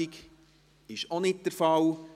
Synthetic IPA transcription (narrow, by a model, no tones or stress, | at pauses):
ik | ɪʃonɪt̚d̥əɾfɑl